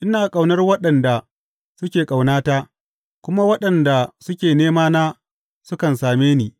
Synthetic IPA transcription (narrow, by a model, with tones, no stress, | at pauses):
ʔɪ˦naː˨kʼa˨wnɐ˦rwɐ˦ɗɐ˨nda˨ | sʊ˦kʲeː˨kʼa˨wnaː˦taː˦ | kʷʊ˦ma˦wɐ˦ɗɐ˨nda˨sʊ˦kʲeː˨neː˦maː˦naː˦ | sʊ˦kɐ˨nsaː˨meː˦niː˦